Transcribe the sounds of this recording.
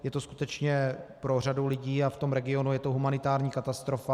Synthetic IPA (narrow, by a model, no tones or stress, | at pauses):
jɛt̪osku̥t̪ɛt͡ʃɲɛpɾo̞r̝adulɪɟiːaft̪o̞mɾɛɡɪo̞nujɛt̪oɦumanɪt̪aːɾɲiːkat̪ast̪ɾo̞fa